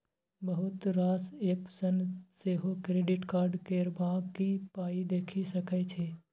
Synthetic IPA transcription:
bəɦʊt̪ɾaːseːpsənseːɦokɾeːɖɪʈkaːɾɖkeːɾbãːkipaːid̪eːkʰisɐkət͡ʃʰeː

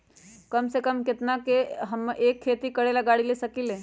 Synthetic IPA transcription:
kɐmsekəmkɪt̪nakeɦɐmʔeːkʰːeːt̪ikɐɽelɐɡaːɽilesɐkileː

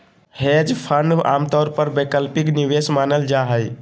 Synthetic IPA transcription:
hed͡ʒpʰəɳɖa̰mt̪ɔːɾpəɾbekəlpikniʋesmaːnəld͡ʒaɦəj

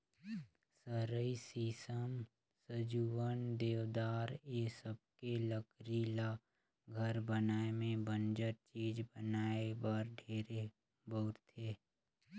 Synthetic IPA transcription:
səɾəisiːsəm | səd͡ʒuənd̪eːʋd̪aːɾesəb̚keləkɾila | ɡʱəɾbənaːemẽbənd͡ʒəɾt͡ʃiːd͡ʒbənaːebaɾɖʱeːɾe | bəɾt̪ʰeː

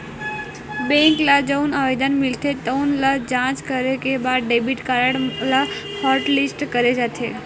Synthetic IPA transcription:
bɛ̃ŋklad͡ʒəwnaʋed̪anmilt̪ʰet̪əwnlad͡ʒãt͡ʃkəɾekebaɖebiʈkaɾəɽla | hɔɾʈlisʈkəɾed͡ʒat̪ʰe

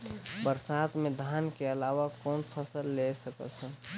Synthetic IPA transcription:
bəɾsaːt̪mẽd̪ʱaːnkeəlaːʋakɔːnpʰəsəlːesəkə̰t͡ʃʰɛ

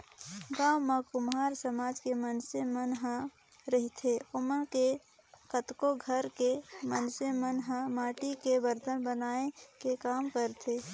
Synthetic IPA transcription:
ɡaːmãkʊmɦaːɾsəmaːd͡ʒkemənsemənɦã | ɾəɦit̪ʰeʊmənke | kət̪koɡʱəɾkemənsemənɦə̃maːʈikebəɾd̪ʱənbənaːekekaːmkəɾt̪ʰe

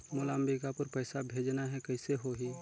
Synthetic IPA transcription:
mʊlaːmbikapəɾpəɪsabʱeːd͡ʒnaɦɛkɐɪseɦoɦi

